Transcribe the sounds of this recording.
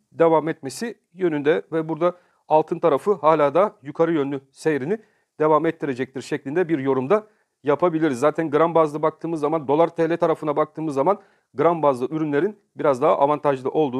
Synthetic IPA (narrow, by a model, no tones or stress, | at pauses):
d̪e̞vamɛt̪me̞si | jø̞nynd̪ɛvɛbuɾd̪a | alˠt̪ʰɯnt̪ʰaɾafɯhaːlʲaːd̪ajukʰaɾɯjønlːʲysejɾini | d̪̥e̞vamɛt̪ʰːiɾe̞d͡ʒɛc̚t̪ʰiɾʃɛclʲind̪ɛbiɾjo̞ɾumd̪a | japʰabilʲiɾizːaːt̪ʰænɡɯɾambazlˠɯbak̚t̪ʰɯːmɯzːamand̪o̞lˠaɾt̪ʰelʲɛt̪ʰaɾafɯnabak̚t̪ʰɯːmɯzːaman | ɡɯɾambazlˠɯyɾynlʲe̞ɾin | biɾazd̪aɦaʔavant̪ʰaʒlˠɯʔo̞lˠd̪uː